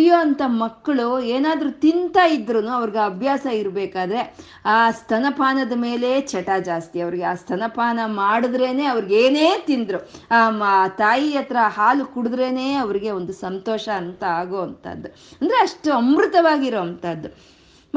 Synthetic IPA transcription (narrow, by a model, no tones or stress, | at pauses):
joːɐnt̪ɐmɐkːɐɭueːnaːd̪ɐɾut̪int̪aːjid̪ːɐɾɐnuɐʋɐɾiɡeɐbʱjaːsɐiɾbɛːkaːd̪ɐɾe̞ | aːst̪ʰɐnɐpʰaːnɐd̪ɐme̞ːle̞t͡ʃɐʈaːd͡ʒaːst̪iɐʋɐɾiɡeaːst̪ʰɐnɐpʰaːnɐmaːɽud̪ɾeːne̞ːɐʋɐɾiɡeːneːt̪ind̪ɾuaːt̪aːjiɐt̪ɐɾɐhaːlukuɽud̪ɾe̞ːneːɐʋɐɾiɡe̞o̞nd̪usɐnt̪ɔːʃɐːnt̪ɐaːɡoːɐnt̪ɐ̰d̪ːu | ɐnd̪ɐɾeɐʂʈuɐmɾut̪ɐʋaːɡiɾoːɐnt̪ɐd̪ːu